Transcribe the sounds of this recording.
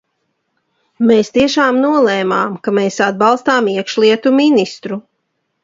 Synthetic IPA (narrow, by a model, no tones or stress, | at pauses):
meːst̪iɛʃaːmnuɔlˠɛːmaːmkameːsad̪̚bɑlˠst̪aːmiɛkʃlˠiɛt̪uminist̪ɾu